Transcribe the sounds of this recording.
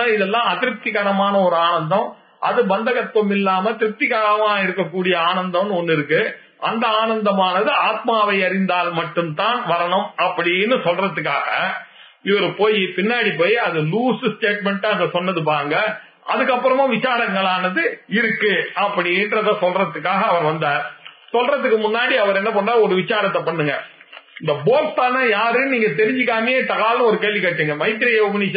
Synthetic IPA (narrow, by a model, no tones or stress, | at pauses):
aɪðɛlːãːɐt̪ɪɾɯp̚t̪ɪɣɐɳɐmaːnɐɔɾɯaːnɐnd̪ɐ̃m | ʔɐ̰ðɯbɐnd̪ɐɣɐt̪ʋɐmɪlːaːmɐt̪ɪɾɯp̚t̪ɪɣaːɾɐʋãːɪɾɯkːɐkːuːɽɪjɐaːnɐnd̪ɐmnɯɔnːɪɾɯkːɯ | ʔɐ̰nd̪ɐaːnɐnd̪ɐmaːnɐðɯaːt̪̚maːʋɐɪɐɾɪnd̪aːlmɐʈːɯmt̪aːnʋɐɾɐɳɯmɐpːɐɽinːɯsɔlrɐðɯkːaːɣɐ̰ | ɪʋɐɾɯpoːjipɪnːaːɽipoːjɐðɯluːssʈeːʈ̚mɛɳʈːaɐŋɡɐsɔnːɐðɯp̬aːɾɯŋɡɐ | ʔɐðɯkːɐpːɯɾɐmãːʋɪt͡ʃaːɾɐŋɡɐɭaːnɐðɯɪɾɯkːɯɐpːɐɽɪndrɐðãːsɔlrɐt̪ːɯkːaːɣɐːʋɐɾʋɐnd̪ɐɾ | sɔlrɐðɯkːɯmʊnːaːɽiɐʋɐɾɛnːɐpɐɳːaːɔɾɯʋɪt͡ʃːaːɾɐt̪ːɐpɐɳːɯŋɡɐ | ɪnd̪ɐboːɾstaːnɐjaːɾɯniːŋɡɐt̪̬ɛɾɪɲd͡ʒɯkːaːmɐjeːt̪ɐɣaːlnɯ̃ɔɾɯkeːlʋikɐʈːɯːŋɡɐmɐɪt̪ːɪɾɪjɐʊbɐni